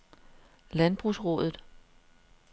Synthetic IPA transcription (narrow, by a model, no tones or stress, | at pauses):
lænb̥ʁusʁɔ̽ðˠð̩ˠ